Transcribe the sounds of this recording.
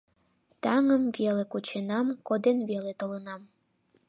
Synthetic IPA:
t̪ɑŋəmvelekot͡ɕenɑmkod̪envelet̪olɤnɑm

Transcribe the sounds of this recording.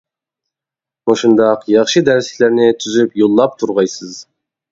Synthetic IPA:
moʃund̪ɑqjɑχʃɨd̪æɾsi̥læɾnɪt̪ʰyzypjolˠːɑp̚t̪ʰuɾʁɑjsɨz

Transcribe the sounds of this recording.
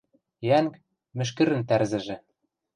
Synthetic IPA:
jæŋk | mɘ̆ʃ̬kɘ̆ɾɘ̆nt̪ærzɘ̆ʒĕ

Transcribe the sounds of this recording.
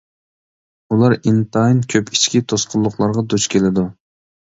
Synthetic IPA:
ulˠɑɾint̪ʰɑjnkʲʰøpi̥t͡ʃkʲit̪ʰosqʰʊlˠːʊqlˠɑɾʁɑd̪ut͡ʃkʲʰelɪd̪u

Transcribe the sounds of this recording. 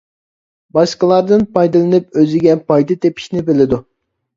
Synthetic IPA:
bɑʃqəlˠɑɾd̪ɨnpʰɑjd̪ɨlˠɨnɨp̚øzɪɡʲɛpʰɑjd̪ɨt̪ʰepʰi̥ʃnɪbɪlɪd̪u

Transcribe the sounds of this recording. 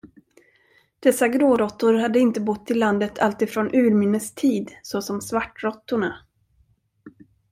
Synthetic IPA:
d̪̥ɛsaɡɾoːɾɔt̪ːʊɾhad̪ːəɪnt̪əbʊt̪ʰːɪlːand̪ət̪ʰalt̪ɪfɾoːnʔʉ̟ːɾmʏnəst̪ʰiːd̪sɔsɔmsvaʈːɾɔt̪ːʊɳa

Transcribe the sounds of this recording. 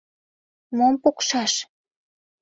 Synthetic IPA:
mompokʃɑʃ

